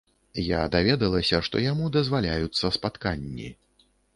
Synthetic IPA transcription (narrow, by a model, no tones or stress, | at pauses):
jad̪avʲɛd̪ɐlˠɐsʲɐʂt̪ɔ̰jamud̪ɐzvalʲajut̪sːɐspat̪kanʲːḭ